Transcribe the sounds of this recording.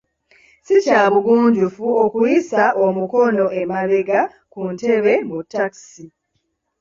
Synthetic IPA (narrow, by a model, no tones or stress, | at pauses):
sicaːβuɡuːɲɟufuokujisaʔomuko̞no̞ʔemaβeɡa | kunte̞βe̞mutːaksi